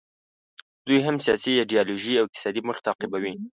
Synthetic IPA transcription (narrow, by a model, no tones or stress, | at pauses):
d̪ujɦamsjɑsijɑɖijɑloʒiawɪk̪̚ɪ̥sɑd̪iməxt̪ɑqɪbawi